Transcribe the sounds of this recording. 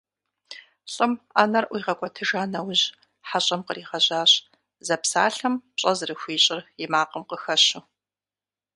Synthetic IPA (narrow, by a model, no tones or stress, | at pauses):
ɕʼɨmaːnɐrʔʷiːʁɐkʷʼɔtʰɨʒaːnɐwʑ | ħaɕʼɐmqəriːʁɐʑaːɕ | zɐpsaːɬɐmpɕʼɐzɨrɨxʷiːɕʼɪrjɪmaːqəmqəxɐɕu